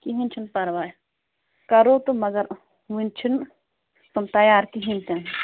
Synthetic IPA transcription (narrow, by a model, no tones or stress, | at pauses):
kiɦinʲt͡ʃʰinpɐɾʋaːj | kɐɾoːt̪omɐɡɐɾ | ʋint͡ʃʰin | t̪umt̪ɐjaːɾkiɦint̪ẽn